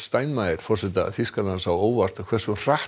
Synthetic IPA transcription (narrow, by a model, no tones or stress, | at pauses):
st̪aːjnmajɪɾ̥fɔr̥sɛt̪a̰fiskalansawoːwvar̥t̪akʰvɛr̥sɔr̥ah